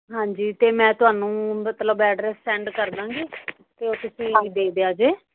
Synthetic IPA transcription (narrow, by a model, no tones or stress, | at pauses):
ɦãːɲd͡ʒiːt̪eːmɛ̃ːt̪ʊɦaːnũːmət̪ləbɛːɖɾɛːsːɛ̃ːɳɖkəɾd̪ãːŋɡiː | t̪eːoːt̪ʊsĩːd̪eːd̪eaːd͡ʒeː